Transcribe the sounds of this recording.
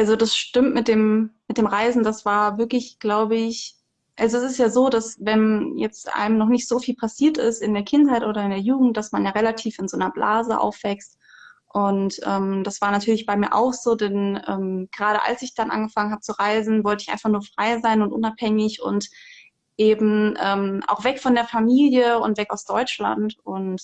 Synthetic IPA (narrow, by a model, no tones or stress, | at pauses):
ʔalzodasʃtɪmtmɪt̚d̥eːmmɪt̚d̥eːmʁaɪzn̩dasv̥aːɐvɪɐklɪçɡ̥laʊbəɪç | ʔalzoɛsɪstjaːzoːdasvɛnjɛt͡stʔa̰ɪməmnɔχnɪçtz̥oːfiːlpʰasiːɐtɪ̰stɪndeːɐkʰɪnthaɪtʔoːɾɐɪndeːɐjuːɡŋ̩t̚d̥asmanjaːʁelatʰiːfɪnzoːnɐbla̰ːzəʔa̰ʊfv̥ɛkst | ʔʊntʔɛːmd̥asv̥aːɐnatʰyːɐlɪçb̥aɪmiːɐʔa̰ʊxz̥oːdɛnʔɛ̰ːmɡ̥əʁaːɾəʔa̰lsɪçd̥anʔa̰nɡəfaŋənhaːbət͡suʁaɪzn̩vɔltəɪçʔa̰ɪnfaχnuːɐfʁ̥aɪzaɪnʊntʔʊnaphɛŋɪçʊ̰nt | ʔeːbm̩ʔɛːmʔa̰ʊxv̥ɛkfɔndeːɐfamiːljəʊntv̥ɛkaʊsd̥ɔʏt͡ʃla̰ntʊnt